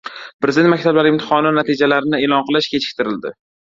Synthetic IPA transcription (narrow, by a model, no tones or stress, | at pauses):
pɾezd̪et̪makʲt̪ʰablaɾɪɪmt̪ʰɪ̥χɒnɪnat̪ʰid͡ʒalaɾɪnɪelˠɒnqɨlˠɪʃkʲʰet͡ʃʰɪ̥k̚ʲt̪ɪɾɪld̪ɪ̰